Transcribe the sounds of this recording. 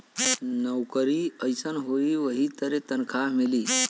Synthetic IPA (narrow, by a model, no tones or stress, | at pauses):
nəwkəɾiəjsənɦoiʋəɦit̪əɾet̪ənkʰaɦmiliː